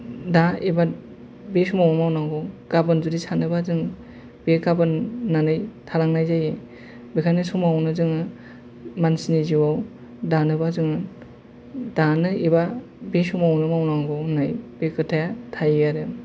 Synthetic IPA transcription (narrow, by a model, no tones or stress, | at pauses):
daiba | besumawnɯmawnaŋɡɔɡabɯnd͡ʒudisʰanɯbazɯŋ | bekabɯnːanɯjtʰaɾaŋnajzaje | bekʰanɯsumawnɯzɯŋɯ | mansniziwaw | danɯbazɯŋɯ | danɯiba | besumawnɯmawnaŋɡɔnajbekɯtʰajatʰajjaɾɯ